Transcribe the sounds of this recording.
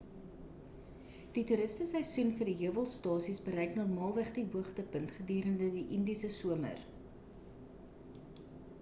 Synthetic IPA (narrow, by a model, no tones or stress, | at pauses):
d̥ituɾəstəsəjsynfərdiɦiəvəlˠstɑːsisbəɾɛjknɑrmɑːlˠvæχdiɦuəχtəpəntχədyːɾəndədiʔəndisəsuəmə̰r